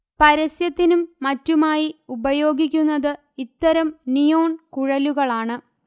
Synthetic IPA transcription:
pɐɾɐsjɐt̪ːinumːɐtːumaːjiubɐjo̞ːɡikʲːunːɐðɨ | it̪ːɐɾɐmnijo̞ːɳkuɻɐluɣɐɭaːɳɨ

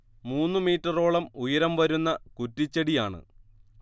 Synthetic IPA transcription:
muːnːɨmiːʈːɐro̞ːɭɐmujɐɾɐmʋɐɾunːɐkutːit͡ɕːɐɽijaːɳɨ̰

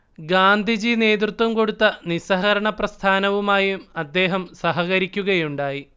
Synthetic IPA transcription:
ɡaːnd̪ʱid͡ʑine̞ːd̪rut̪ʋɐmko̞ɽut̪ːɐnisɐɦɐɾɐɳɐprɐst̪ʰaːnɐʋumaːjumɐd̪ːe̞ːɦɐmsɐɦɐɣɐɾikʲːuɣɐjuɳɖaːji

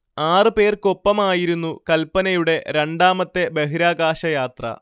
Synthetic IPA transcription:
aːrɨpe̞ːrko̞pːɐmaːjiɾunːukɐlpːɐnɐjuɽe̞ɾeɳɖaːmɐt̪ːe̞be̞ɦiɾaːɡaːɕɐjaːt̪rɐ̰

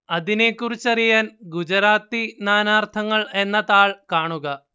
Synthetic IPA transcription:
ɐðine̞kːurit͡ɕːɐrijaːnɡud͡ʑɐɾaːt̪ːinaːnaːrt̪ʰɐŋːɐɭe̞nːɐðaːɭkaːɳuɣɐ

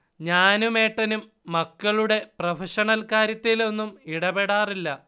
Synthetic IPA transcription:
ɲaːnume̞ːʈːɐnumː | ɐkːɐɭuɽe̞prɐfɐʂɐɳɐlkaːɾjɐt̪ːilo̞nːumiɽɐbeɽaːrilːɐ

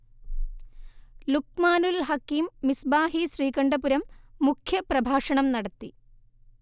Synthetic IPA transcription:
lukmaːnulɦɐkːiːmːisbaːɦiɕriːkɐɳɖɐpuɾɐmːukʰjɐprɐbʱaːʂɐɳɐmnɐɽɐt̪ːi

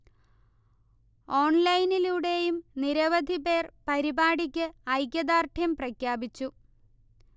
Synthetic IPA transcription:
o̞ːɳlɐjniluːɽe̞jumniɾɐʋɐd̪ʱibe̞ːrpɐɾibaːɽik̬ʲːɨɐjkʲːɐd̪aːrʈʰjɐmprɐkʰjaːbit͡ɕːu

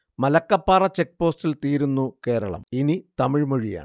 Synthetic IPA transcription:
mɐlɐkːɐpːaːrɐt͡ɕe̞k̚ːpo̞ːstilt̪iːɾunːuke̞ːɾɐ̰ɭɐ̰minit̪ɐmiɻmoɻija̰ːɳɨ

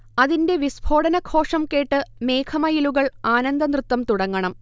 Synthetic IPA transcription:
ɐðinde̞ʋisbʱo̞ːɽɐnɐɡʰo̞ːʂɐmke̞ːʈːɨme̞ːkʰɐmɐjiluɣɐɭaːnɐnd̪ɐnrɨt̪wɐmt̪uɽɐŋːɐɳɐm

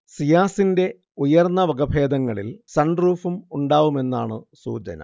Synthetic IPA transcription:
sijaːsinde̞ | ujɐrnːɐʋɐɡɐbʱe̞ːd̪ɐŋːɐɭilsɐɳɖruːfumuɳɖaːʋume̞nːa̰ːɳɨsṵːt͡ɕɐ̰nɐ̰

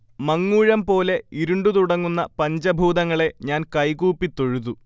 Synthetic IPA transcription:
mɐŋːuːɻɐmpo̞ːle̞iɾuɳɖut̪uɽɐŋːunːɐpɐɲd͡ʑɐbʱuːd̪ɐŋːɐɭe̞ɲaːnkɐjkuːpːit̪ːo̞ɻuðu

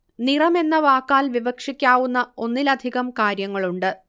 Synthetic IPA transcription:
nirɐme̞nːɐʋaːkːaːlʋibɐkʂikʲːaːʋunːɐo̞nːilɐd̪ʱiɣɐmkaːɾjɐŋːɐɭuɳɖɨ

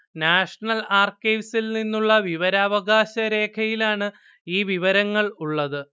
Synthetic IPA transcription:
naːʂɐɳɐlaːrkiʋsilninːuɭːɐʋiʋɐɾaːʋɐɡaːɕɐɾe̞ːkʰɐjilaːɳɨ | iːʋiʋɐɾɐŋːɐɭuɭːɐðɨ

